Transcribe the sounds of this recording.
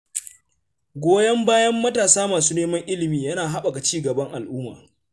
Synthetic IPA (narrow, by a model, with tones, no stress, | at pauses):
ɡʷoː˦jɐ˦mbaː˦jɐ˦mːɐ˦taː˨saː˦maː˨suː˦neː˦mɐ˦ŋʔɪ˦lɪ˨miː˨jɐ˦naː˨ɦa˦ɓa˨ɡa˨t͡ʃiː˦ɡɐ˨bɐ˦ŋʔa˨lʔʊː˦ma̰ː˨